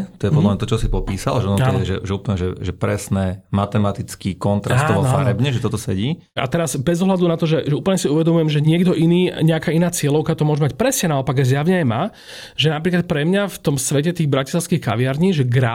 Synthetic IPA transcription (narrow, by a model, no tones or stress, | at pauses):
t̪ɔjɛpɔd̪lamɲat̪ɔt͡ʃɔsipɔpiːsa̰lʒɛɔnɔt̪ɔɛʒɛ̰ʒɛuːpl̩ɲɛʒɛʒɛpɾɛsnɛmat̪ɛmat̪it͡skiːkɔnt̪ɾʔast̪ːɔʋɔfa̰ɾɛbɲɛʒɛt̪ɔt̪ɔsɛɟiː | a̰t̪ɛɾazbɛzɔɦlad̪unat̪ɔʒɛʒɛuːpl̩ɲɛsiuʋɛd̪ɔmujɛmʒɛɲɪɛɡd̪ɔʔiniːɲɛakaːinaːt͡sɪɛlɔʊkat̪ɔmʊɔʒɛmacpɾɛsɲɛnaɔpaɡaɪzjaʋɲɛajmaː | ʒɛnapɾiːklat̪̚pɾɛmɲaft̪ɔmsʋɛcɛt̪iːɣbɾacislˠaʊskixka̰ʋɪaɾɲiːʒɛɡɾa